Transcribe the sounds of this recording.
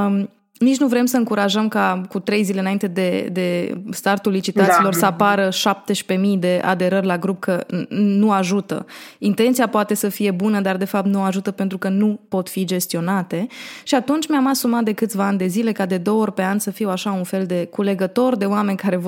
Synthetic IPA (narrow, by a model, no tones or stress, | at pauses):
nit͡ʃnuvɾe̞msəɨŋkuɾaʒəmkakut̪ɾe̞jzileɨnaint̪ed̪e̞d̪e̞st̪art̪ulːit͡ʃit̪at̪silo̞rsəapaɾəʃap̚t̪e̞ʃpe̞mijd̪e̞ʔa̰d̪e̞ɾərʲlaɡɾup̚kʰənuaʒut̪ə̰int̪e̞nt̪siapoat̪e̞səfije̞bunəd̪ard̪e̞fap̚t̪nuaʒut̪əpe̞nt̪ɾukənupo̞t̪fid͡ʒest̪io̞nat̪e̞ʃiat̪unt͡ʃʲmeamasumat̪̚d̪e̞kɨt̪sʲvaanʲd̪e̞zile̞kad̪e̞d̪o̞oorʲpe̞anʲsəfiwaʃaunfe̞ld̪e̞kule̞ɡət̪o̞rd̪e̞oame̞nʲkaɾe̞